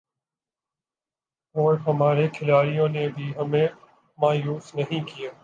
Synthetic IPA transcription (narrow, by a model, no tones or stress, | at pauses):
ɔːɾɦɐmaːɾekʰɪlaːɾijõnebʱiɦɐmẽ | maːjuːsnɐɦĩkijaː